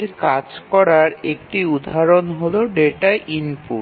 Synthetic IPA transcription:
ɾkad͡ʑkɔɾaɾek̚ʈiud̪ʱːaɾonɦoloɖeʈaʔinpṵ

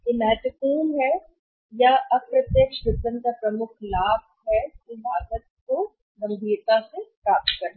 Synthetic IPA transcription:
ɪmɛːt̪əpuːnɦɛ | jaʔɐpɾɐt̪jəkʃbɪd̪ənkapɾɐmʊkʰlaːb̚ʱɦɛɪbaːd̪ət̪̚ko | ɡɐ̃mbʱiːɾt̪asepɾaːp̚t̪kɐɾ

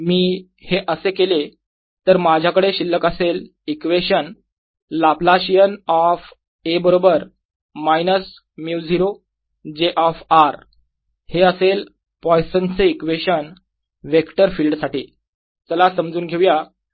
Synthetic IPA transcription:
miː | heʔəsekele | t̪əɾmad͡ʑʱjakəɽeɕilːəkəsel | ikʋeɕən | laplaɕijənɔf | ebəɾobəɾ | majnəs | mjud͡ziɾo | d͡ʑeʔɔfaɾ | heəsel | pɔjsənt͡seikʋeɕən | ʋekʈəɾfiːlɖsaʈiː | t͡səlasəmd͡zuːnɡʱeʋja

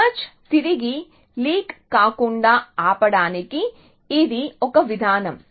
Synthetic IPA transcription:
ɐt͡ʃt̪iɾiɡi | liːkːaːkuɳɖaːaːpɐɽaːnekiː | d̪iokɐʋid̪ʱaːnɐm

